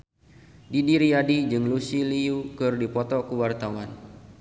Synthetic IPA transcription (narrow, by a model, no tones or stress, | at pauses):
didiɾiadid͡ʒɨŋlusiliukɨrdipɔt̪ɔkuwart̪awan